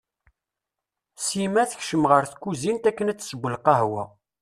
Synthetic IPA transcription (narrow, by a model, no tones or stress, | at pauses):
simæθəçʃəmʁəɾθkːuzint̪ækːənæt͡sːsəɡʷːəlqɑɦwæ̰